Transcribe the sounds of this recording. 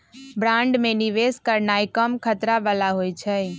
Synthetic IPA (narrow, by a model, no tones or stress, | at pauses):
bɾãːɳɖmẽnɪʋeːskəɾnaːikəmkʰət̪ɾabalaɦoːit͡ʃʰɛ